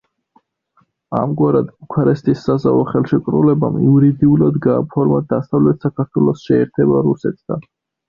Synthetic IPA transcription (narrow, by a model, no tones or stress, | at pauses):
a̰mɡwaɾad̪bukʰaɾɛst̪ʼisːaza̰vɔχɛlˠʃɛkʼɾṵlɛba̰miuɾid̪iulad̪ɡaːpʰɔɾmad̪asavlɛt̪̚ʰsakʰaɾt̪ʰwɛlˠɔsʃɛːɾt̪ʰɛbaɾusɛt̪ʰd̪̥a̰n